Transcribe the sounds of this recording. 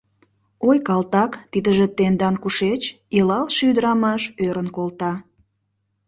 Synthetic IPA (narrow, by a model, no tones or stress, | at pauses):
ojkɑlt̪ɑkt̪id̪əʒĕt̪end̪ɑnkuʃet͡ɕilɑlʃyd̪əɾɑmɑʃøɾənkolt̪ɑ